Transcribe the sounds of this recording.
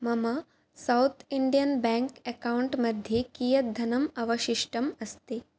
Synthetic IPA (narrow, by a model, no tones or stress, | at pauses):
mɐmɐ | sawt̪ʰiɳɖijɐnbɛ̃ŋkɛkauɳʈmɐd̪ʱjekijɐd̪ʱɐnɐmɐʋɐʃiʂʈɐmɐst̪eː